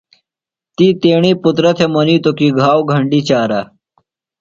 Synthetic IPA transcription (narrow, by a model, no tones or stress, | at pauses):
t̪iːt̪eɽ̃iːput̪ɾət̪ʰeməniːt̪okiːɡʱawɡʱəɳɖiːt͡ɕaɾa